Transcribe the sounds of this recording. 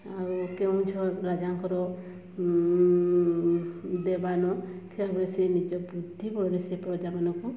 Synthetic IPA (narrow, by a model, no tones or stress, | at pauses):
aɾukew̃t͡ʃʰɔɾad͡ʒaŋkʰɔɾɔ | d̪ebanɔkʰebɾesenid͡ʒɔbɾud̪ʱːibɔɾesepɾɔd͡ʒamanɔku